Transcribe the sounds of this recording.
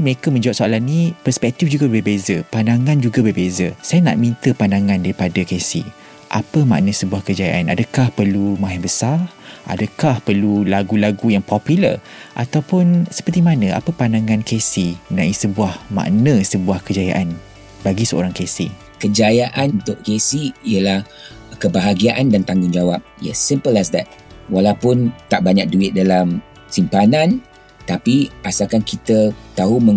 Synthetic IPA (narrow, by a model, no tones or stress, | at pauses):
məɾekamə̃ɲd͡ʒawap̚soalanːĩpərspɛk̚t̪ɪfd͡ʒuɡabəbezəpandaŋãnd͡ʒuɡabəbezəsajana̰ʔmĩnt̪əpandaŋãndaɾipadəkesḭ | ʔa̰pəma̰ʔnəsəbuahkəd͡ʒaja̰ʔana̰dəkahpərlumaɦɪbəsarʔa̰dəkahpərlulaɡulaɡujaŋpɔpjulə̰r | ʔat̪awpʊnsə̥pərt̪imanə̃a̰pəpandaŋãnkesimənaisəbuahma̰ʔnəsəbuahkəd͡ʒaja̰ʔan | baɡisəo̰ɾaŋkesi | kəd͡ʒajaʔanunt̪ʊʔkesiijəlah | kəbaɦaɡiaʔandant̪aŋɡʊŋd͡ʒawap̚jɛ̰sːimpəlasd̪ɛt̪̚ | walawpʊnt̪aʔbaɲak̚duɪt̪̚dalam | simpanãn | t̪apiasakankit̪ət̪aɦumə̃